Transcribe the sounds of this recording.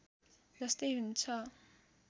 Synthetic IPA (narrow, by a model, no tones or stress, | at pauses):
d͡zʌst̪ʌjɦunt͡sʰʌ